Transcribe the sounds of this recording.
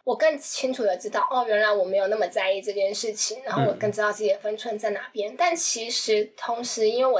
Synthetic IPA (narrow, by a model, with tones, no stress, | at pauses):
wɔ˨˩kɤ˥˩ŋt͡ɕʰi˥ŋʈ͡ʂʰu˨˩d̪ə˩ʈ͡ʂɻ̩˥t̪ɑ˥˩ʊʔɔ˥˩ɥɛ˧˥nla˧˥ɪwɔ˨˩me˧˥ɪjna˥˩mə˨˩t͡sa˥˧ɪi˥˧ʈ͡ʂɤ˥˧˩t͡ɕjɛ˥˧nʂɻ̩˥˩t͡ɕʰi˨˩ŋɻa˧˥nxo˥˩ʊwɔ˨˩kə˥˩ŋʈ͡ʂɻ̩˥t̪ɑ˥˧ʊt͡sɤ˥˩ɛ˨˩fə˥nʈ͡ʂʰwə˧˥nt͡sa˥˩ɪna˧˥pjɛ˥nt̪a˥˩nt͡ɕʰi˧˥ʂɻ̩˧˥t̪ʰʊ˧˥ŋʂɻ̩˧˥i˥nwe˥˩ɪwɔ˨˩